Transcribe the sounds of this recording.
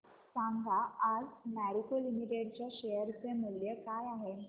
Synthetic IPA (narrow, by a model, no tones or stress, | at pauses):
sãŋɡʱaad͡zmæɾikolimiʈeɽt͡ɕjaɕejəɾt͡semuljəkajaɦe